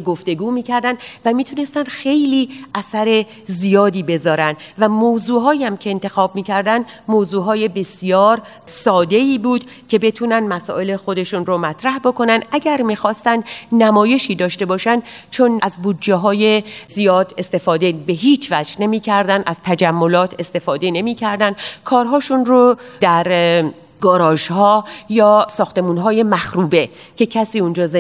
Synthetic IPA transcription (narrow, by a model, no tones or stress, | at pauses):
ɡoft̪e̞ɡuːmiːcʰæɾd̪ænd̪væmiːt̪ʰune̞st̪ænd̪xe̞jliːʔæsæɾe̞ | zijɒːd̪iːbe̞zɒːɾænd̪væmoːzuːɦɒːjæmcʰe̞ːnt̪ʰe̞xɒːb̚miːcʰæɾd̪ænd̪moːzuːɦɒːje̞be̞sijɒːɾ | sɒːd̪e̞iːbuːd̪̥ | cʰe̞be̞t̪ʰuːnænd̪mæsɔ̰ːʔe̞le̞xo̞d̪e̞ʃunɾomæt̪ʰɾæhbo̞ko̞nænd̪ʔæɟæɾmiːxɒːst̪ænd̪næmɒːje̞ʃiːd̪ɒːʃt̪e̞bɒːʃænd̪t͡ʃʰo̞næzbuːd̪d͡ʒːeɦɒːjezijɒːd̪e̞st̪e̞fɒːd̪e̞be̞ɦiːt͡ʃʰvæd͡ʒne̞miːcʰæɾd̪ænd̪ʔæz̥t̪ʰæd͡ʒæmːo̞lɒːt̪ʰe̞st̪e̞fɒːd̪e̞ne̞miːcʰæɾd̪ænd̪kʰɒːɾɦɒːʃunrod̪æɾ | ɡɒːɾɒːʃhɒːjɒːsɒːxt̪e̞muːnɦɒːje̞mæxɾuːbe̞ | cʰe̞cʰæsiːund͡ʒɒːz